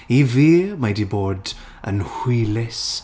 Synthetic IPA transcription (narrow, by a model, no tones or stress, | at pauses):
iviːmajdiboːd | ə̰nhwilɪs